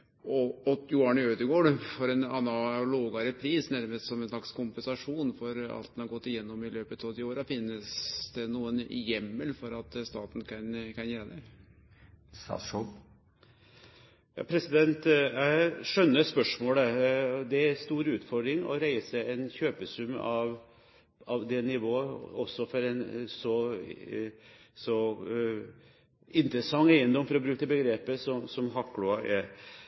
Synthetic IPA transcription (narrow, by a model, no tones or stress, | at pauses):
ɔɔt̪jʊɑnøːd̪əɡoːɖfɔɾɛnɑnːɑloːɡɑɾəpʰɾiːsnæɾməst̪sɔmɛnslɑkskʰʊmpənsɑʂuːnfɔɾɑ̰lt̪nhɑɾɡɔt̪ːɪjɛnːɔmɪløːpət̪ɑʋd̪ɪoːɾəfɪnːəsd̪ɛnuːənjɛmːəlfɔɾɑt̪st̪ɑːt̪n̩kʰɑnkʰɑnjɛːɾɑd̪ɛ | st̪ɑ̰ːʂɔ | jɑ̰ːpʰɾɛsɪd̪ɛnt̪jæɪʂœnːəspœʂmoːləd̪ɛæst̪uːɾʉːt̪fɔɾɖ̪ɾɪŋɔ̰ɾæɪsəɛnçøːpəsʉmːɑʋ | ɑʋd̪ɛnɪʋoːəɔsːɔfɔɾɛnsɔ | sɔ | ɪnt̪ɾəsɑŋːæɪənd̪ɔmfɔɾɔbɾʉːkəbəɡɾeːpəsɔmsɔmɦɑkːlʊɑʔɛɾ